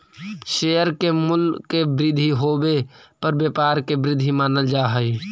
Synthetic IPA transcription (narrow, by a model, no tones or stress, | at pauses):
ʃeːjəɾkemʊlkːebɾɪd̪ʱiɦoːbepəɾbjeːpaːɾkebɾɪd̪ʱimaːnəld͡ʒaːɦəi